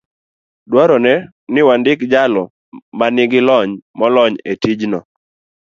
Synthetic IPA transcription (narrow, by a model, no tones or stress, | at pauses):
dwɔɾɔnɛ | nɪwandɪkd͡ʒalɔ | manɪɡɪlɔɲmɔlɔɲetid͡ʒnɔ